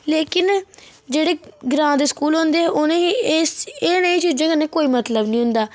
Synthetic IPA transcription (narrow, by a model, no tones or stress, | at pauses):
leːkɪnd͡ʒeːɽeːɡɾãːd̪eːskuːlɦõnd̪eːɛːʔʊnẽːɦi | eːnəĩːt͡ʃiːd͡ʒãːkənːẽːkoːiːmət̪ləbnĩːɦʊnd̪aː